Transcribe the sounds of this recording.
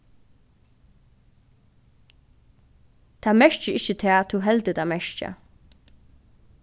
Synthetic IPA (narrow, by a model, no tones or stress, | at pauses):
t̪ʰaːmɛʃt͡ʃəɪçət̪ʰɛːt̪ʰuɦɛlt̪ət̪ʰamɛʃt͡ʃa̰